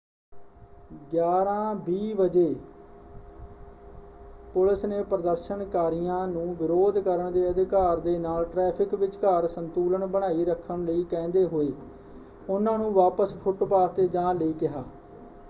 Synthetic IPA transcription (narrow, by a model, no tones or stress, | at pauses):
ɡjaːɾãːbiːʋəd͡ʒeː | pʊlɪsneːpɾəd̪əɾʃənkaːɾɪjãːnũːʋɪɾoːd̪kəɾəɳd̪eːəd̪ɪkaːɾd̪eːnaːlʈɾɛːpʰɪkʋɪt͡ʃkaːɾsənt̪uːləɳbəɽ̃aːiːɾəkʰːəɳləiːkɛ̃ːnd̪eːɦoːeː | ʊnãːnũːʋaːpəspʰʊʈpaːt̪eːd͡ʒãːləiːkɪɦaː